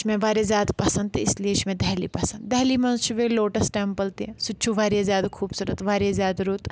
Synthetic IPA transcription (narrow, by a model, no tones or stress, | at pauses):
t͡ʃmẽʋaːɾezjaːd̪pɐsə̃nd̪̚t̪eɪslieɪt͡ʃmẽd̪ɛɦlipɐsɐ̃nd̪d̪ɛːlimɐ̃nzt͡ʃʰuʋeloːʈəsʈɛːmpəlt̪esʊt͡ʃʰuʋaːɾezjaːd̪akʰuːbsuɾət̪ʋaːɾezjaːd̪ɾuːt̪